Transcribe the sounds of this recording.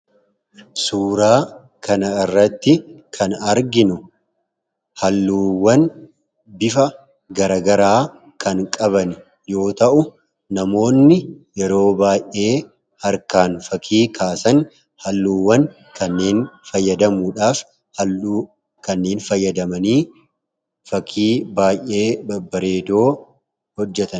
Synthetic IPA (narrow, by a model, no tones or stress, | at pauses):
suːɾaː | kɐnɐɪrːɐt̪ːɪkʰɐnɐɾɡɪnʊ | hɐlːuːwːɐn | bɪfɐ | ɡɐɾɐɡɐɾaː | kʰɐŋkʼɐβɐn | jo̞ːt̪ɐʔʊ | nɐmo̞ːnːɪjɛɾo̞ːbaːjʔʔe̞ː | hɐɾkaːnfɐkʰiːkʰaːsɐn | hɐlːuːwːɐn | kɐnːeːnfɐjːɐd̪ɐmuːᶑaːf | hɐlːuː | kɐnːeːnfɐjːɐd̪ɐmɐniː | fɐkʰiːbaːjʔʔe̞ːbɐbɐɾe̞ːd̪o̞ː | hɔd͡ʒːɛt̪ɐn